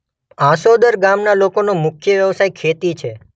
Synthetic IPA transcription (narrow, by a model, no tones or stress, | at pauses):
ãsod̪əɾɡamnalokonomʊkʰjəʋjəʋsajkʰet̪it͡ʃʰe